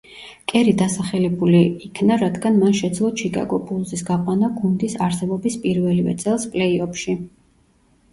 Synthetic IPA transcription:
kʼɛɾid̪asaχɛlɛbuliːkʰnaɾad̪ɡanmanʃɛd̪zlˠɔt͡ʃʰikʼa̰ɡɔpʼulˠzisɡaqʼwanaɡund̪isaɾsɛbɔbispʼiɾvɛlivɛ̰t̪sʼɛlˠspʼlɛiɔpʰʃi

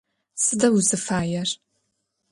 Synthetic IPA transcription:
sɨdɐwuzɨfaːjɛr

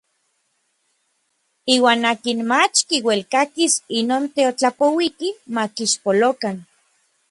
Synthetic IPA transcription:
iːwaːnaːkinmat͡ʃkiwelkakisinoːnt̪eot͡ɬapowikimakiʃpolokan

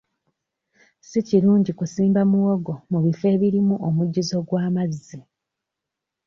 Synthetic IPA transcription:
siciɾuːɲɟikusiːmbamuwoɡo̞muβife̞ːβiɾimuʔomuɟːizo̞ɡwaːmazi

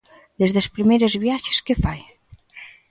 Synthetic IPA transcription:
d̪ezðespɾimejɾezβjaʃe̥skefaj

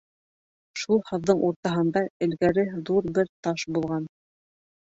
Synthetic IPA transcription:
ʃulˠhɤ̆ðːɤɴuɾt̪ɑɦɤ̆nd̪ɑɘ̆lɡæɾɘðuɾbɘɾt̪ɑʃbulˠʁɑn

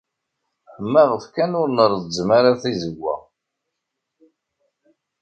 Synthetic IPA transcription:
ħəmːæʁəfkænʊɾnəɾðəzmaɾaθizəɡːæ̰

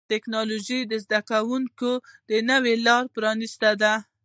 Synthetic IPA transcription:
t̪eknɑloʒijd̪əzd̪akawuŋkod̪̥ənəwelɑɾpɾɑnist̪ad̪a

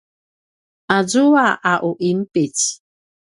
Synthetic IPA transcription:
ad͡zuaʔaʔuʔimpit͡s

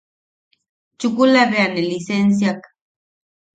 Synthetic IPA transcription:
t͡ʃʊkulaβeanelisens̬jak

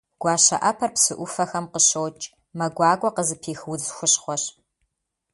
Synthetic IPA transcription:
ɡ̥ʷɑːɕɐ̰ʔɐpʰɐrpsɨʔʷʊfɐxɐmqəɕoːt͡ʃʼ | mɐɡʷɑːɡʷɔqəzɨpʰeːxwʊzxʷʊɕχʷɔɕ

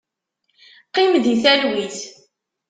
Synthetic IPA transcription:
qːimðiθælwiθ

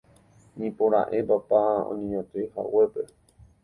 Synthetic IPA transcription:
ɲĩpoɾa̰ʔe̞papaõ̰ɲẽɲõt̪eha̰we̞pe̞

